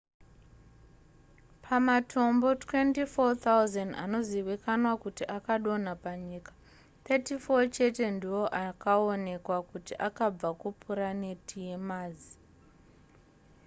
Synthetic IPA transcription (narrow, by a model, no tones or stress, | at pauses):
pʰamatʰo̞mbo̞twe̞ntifot̪auzanda̰no̞ziʋikanwakutiʔakaɗo̞n̤apaɲiːkḁ | t̪etifo̞t͡ʃe̞te̞ndiwo̞ʔakao̞ne̞kwakutiʔakab͡vakupʰuɾanetʰije̞maːzi